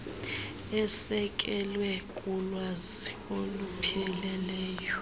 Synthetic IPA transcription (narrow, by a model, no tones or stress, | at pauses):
ɛsɛkʼɛlwɛkʼulwazi | olupʰiɛlɛlɛːjɔ